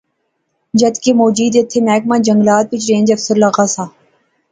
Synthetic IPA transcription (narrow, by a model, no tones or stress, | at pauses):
d͡ʒɐd̪keːmoːd͡ʒiːd̪et̪ʰːeːmɛːk̚mãːd͡ʒɐŋɡlaːt̪̚pit͡ʃɾẽːnd͡ʒɐfsʊɾlaːɣasaː